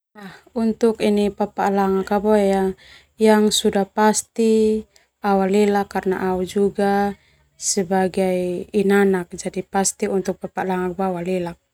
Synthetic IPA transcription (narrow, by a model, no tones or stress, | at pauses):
ahunt̪ukinipapaʔlaŋakabɔɛja | jaŋsudahpast̪i | awalɛlakːarna̰ʔaud͡ʒuɡa | sɛbaɡajinanak̚d͡ʒadipast̪iunt̪uk̚papaʔlaŋak̚baawalɛlak̚